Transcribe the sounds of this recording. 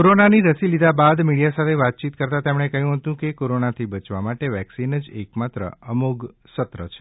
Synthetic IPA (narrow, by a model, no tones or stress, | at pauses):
koɾonaniɾəsilid̪ʱabad̪miɽijasat̪ʰeʋat̪̚t͡ʃit̪̚kəɾt̪at̪emɳ̃ekəɦjũɦət̪ũkekoɾonat̪ʰibət͡ʃʋamaʈeʋɛksinəd͡ʒekmat̪ɾə̰əmuɡ | sət̪ɾə̰t͡ʃʰe̥